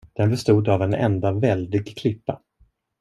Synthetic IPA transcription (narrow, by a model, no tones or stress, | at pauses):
d̪̥ɛnbɛst̪uːd̪avɛnɛ̰nd̪avɛld̪ɪɡkʰlɪpːa̰